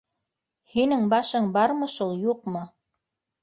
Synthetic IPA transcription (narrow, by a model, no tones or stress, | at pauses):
hinɘŋbɑʃɤɴbɑɾmɤ̆ʃulˠjuqmɤ